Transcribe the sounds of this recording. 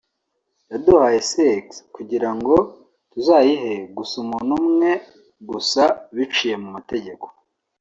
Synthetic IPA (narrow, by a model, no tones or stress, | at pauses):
jaduhaje̞sekskuɟiɾaŋɡo̞ | tuzaːjiɦe̞ɡusumunumŋe̞ | ɡusaβit͡ʃije̞mumate̞ɟe̞ko̥